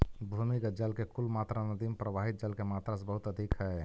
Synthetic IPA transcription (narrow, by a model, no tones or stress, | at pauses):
bʱumiɡəd͡ʒəlkekulmat̪ɾanəd̪impɾəbaɦit̪̚d͡ʒəlkemat̪ɾasẽbəɦut̪əd̪ʱikɦɛ